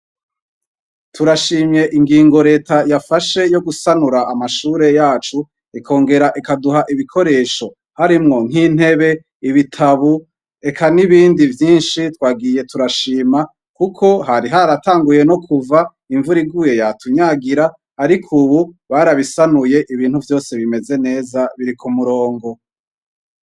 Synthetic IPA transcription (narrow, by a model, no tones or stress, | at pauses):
tuɾaʃiːmɲe̞ʔiŋɡiːŋɡo̞ɾe̞ːtajafaʃe̞jo̞ɡusanuɾaːmaʃuːɾe̞jaːt͡ʃu | ikʰo̞ːŋɡe̞ɾaʔikaduɦaʔiβikʰo̞ɾe̞ːʃo̞ | haɾimŋo̞ŋ̥hin̥he̞βe̞ | iβitʰaβu | e̞kʰaniβiːndivjiːnʃitwaːɡije̞tuɾaʃiːma | kukʰo̞ɦaɾiɦaɾataːŋɡuje̞no̞kʰuva | iɱvuɾiɡuje̞jatuɲaɡiɾaː | ɾikʰuβuβaːɾaβisanuje̞ʔiβiːnhuvjo̞ːse̞βime̞ze̞ne̞ːzaβiɾikʰumuɾo̞ːŋɡo̞